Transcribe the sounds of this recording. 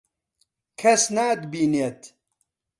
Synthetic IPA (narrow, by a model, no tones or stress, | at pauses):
kʰɐsnaːd̪biːneːt̪